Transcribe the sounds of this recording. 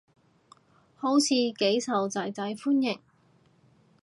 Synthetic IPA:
ho˨˥wt͡sʰiː˨˧ke˨˥jsɐ˨wt͡sɐ˨jt͡sɐ˨˥jfuː˥njɪ˨˩ŋ

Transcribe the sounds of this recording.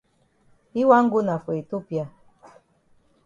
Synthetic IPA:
i˦wa˦ŋ̩˦ɡu˦na˨fe˨e˨to˦pja˦˨

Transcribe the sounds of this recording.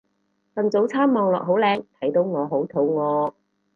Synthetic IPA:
fɐ˨nt͡so˨˥wt͡sʰaː˥mmɔː˨ŋlɔ̰ː˨k̚ɦo˨˥wlɛː˨˧ŋt̪ʰɐ˨˥jt̪o˨˧wŋɔː˨˧ɦo˨˥wt̪ʰo˨˥wŋɔː˨˧

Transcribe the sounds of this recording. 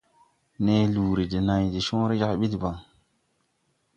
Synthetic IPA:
ne˨˦lu˨ɾi˨di˨na˨jdi˨ʃõː˦ɾe˦d͡ʒa˦˨ɓi˦di˨ba˨ŋ

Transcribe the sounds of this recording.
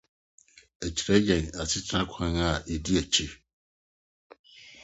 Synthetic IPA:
æ˨t͡ɕʰi˨ɾɛ˦jɛ̃˨na˨sʰɪ˦tʰɾã˦kʷʰã˦na˨ɛ˨di˦æ˨t͡ɕʰi˦

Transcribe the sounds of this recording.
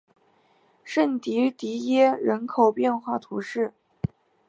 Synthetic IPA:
ʂə˥˩nt̪i˧˥t̪i˧˥jɛ˥ɻə˧˥nkʰo˨˩ʊpjɛ˥˧nxwa˥˩t̪ʰu˧˥ʂɻ̩˥˩

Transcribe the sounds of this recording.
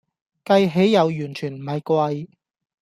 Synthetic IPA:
kɐ˧jɦe˨˥jːɐ˨˧wjyː˨˩nt͡ʃʰyː˨˩nm̩˨˩hɐ˨jkʷɐ˧j

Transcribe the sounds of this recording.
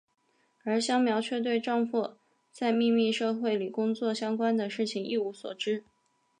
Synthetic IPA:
ə˞˧˥ɕjɑ˥ŋmjɑ˧˥ʊt͡ɕʰɥɛ˥˧t̪̬we˥˧ɪʈ͡ʂɑ˥˧ŋfɔ˥˩ | t͡sa˥˧ɪmi˥˧mi˥˧ʂɤ˥˧xwe˥˩ɪli˨˩kʊ˥ŋt͡swɔ˥˩ɕjɑ˥ŋkwa˥nd̪ə˨ʂɻ̩˥˩t͡ɕʰi˨˩ŋʔi˥˩u˧˥swɔ̰˨˩ʈ͡ʂɻ̩˥

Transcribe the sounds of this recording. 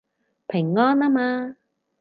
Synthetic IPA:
pʰɪ˨˩ŋːɔː˥naː˥maː˧

